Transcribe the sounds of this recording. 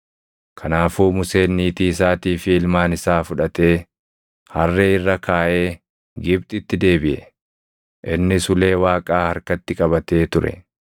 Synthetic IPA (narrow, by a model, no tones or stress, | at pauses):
kʰɐnaːfuːmʊse̞ːnːiːt̪iːɪs̬aːt̪iːfɪɪlmaːnɪsaːfʊᶑɐt̪e̞ː | hɐrːeːɪrːɐkʰaːʔe̞ː | ɡɪbt̪ʼɪt̪ːɪd̪e̞ːbɪʔɛ̰ | ʔɪnːɪsʊle̞ːwaːkʼaːhɐɾkɐt̪ːɪkʼɐβɐt̪e̞ːt̪ʊɾɛ̰